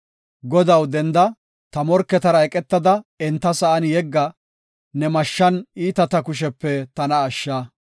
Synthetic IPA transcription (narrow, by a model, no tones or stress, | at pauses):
ɡɔd̪ɐwd̪ɛnd̪ɐ | t̪ɐmɔɾkːɛt̪ɐɾɐɛkʼɛt̪ːɐd̪ɐɛnt̪ːɐsɐʔɐnjɛɡːɐ | nɛmɐʃːɐniːt̪ɐt̪ɐkʊʃ̬ɛpːɛt̪ɐnɐːʃːaː